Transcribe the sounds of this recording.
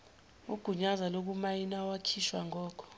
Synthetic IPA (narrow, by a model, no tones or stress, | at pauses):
uɡ̥ʱuɲazalok̬umajinawakʰiʃwaŋɔːkʰɔ̥